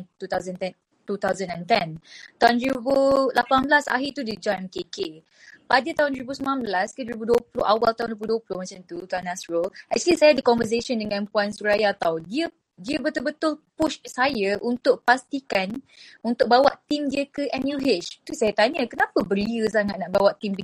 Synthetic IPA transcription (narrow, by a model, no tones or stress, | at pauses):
t̪ut̪azənt̪ɛn | t̪ut̪awzənɛ̃nt̪ɛnt̪aʊndəɾibulapanblasa̰ɦit̪udid͡ʒaɛmkeke | padət̪aʊ̃ndəɾibusəmanãnblaskəduɾibuduəplo̰hawalt̪aɦunduibpluduəplohmãt͡ʃamt̪ut̪aanasɹəlʔɛk̚t͡ʃuəlisajadəkɔnvəs̬esəndəŋãnpuansuɾajat̪awdiə | diəbət̪ʊlbət̪ʊlpuʃsajaʔunt̪ʊʔ̚past̪ikanunt̪ʊk̚bawaʔt̪imdiəkəʔɛnjuɦet͡ʃt̪usajat̪aɲəkənãpəbəɾiəs̬aŋat̪̚naʔbawaʔt̪imbi